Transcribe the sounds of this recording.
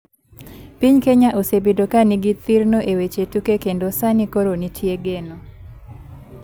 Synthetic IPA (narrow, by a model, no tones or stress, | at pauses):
piɲkeɲaʔosebedokaniɡit̪iɾnoʔewet͡ʃetukekendosanikoɾonitʰjeɡeno